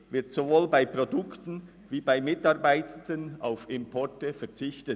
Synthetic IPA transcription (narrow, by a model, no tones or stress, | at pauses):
vɪɐtsovoːlbaɪpʁ̥odʊktn̩ | viːbaɪmɪtɑʁbaɪtəndəna̰ʊfɪmpʰɔɹtəfɛɐt͡sɪçtə